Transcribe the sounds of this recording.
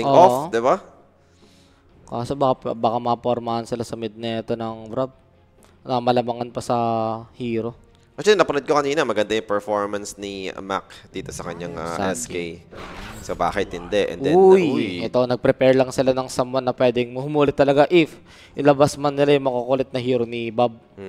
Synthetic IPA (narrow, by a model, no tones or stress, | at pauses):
t̪ɪoofd̪ɪba | kaːsobakapbaːkamɐpoɾmɐhɐnsɪlasɐmɪd̪̚nɛːt̪onɐŋbɾab̚ | nɐmɐlɐmɐŋanpɐsɐhiːɾo̞ | ɐd͡ʒɐnɐpɐnɐd̪̚kokɐniːnɐmɐɡɐnd̪ajʊŋpɛɹfoɹmɐnsnima̰kd̪̥iːt̪o̞sɐkɐɲaŋa̰ʔɛ̰skejsoba̰ːkɪt̪ːɪnd̪ɛʔɛ̰nd̪ɛjjʔɛt̪onɐɡ̚pɾɛpɛɹlɐŋsɪlanɐŋsɐmːonːɐpwɛd̪ɪŋmɐhʊmuːlɪt̪ːɐlɐɡaʔɪf | ʔɪlɐbasmanːɪlajʊŋmɐkokolɛt̪̚nɐɦiːɾonibab̩̚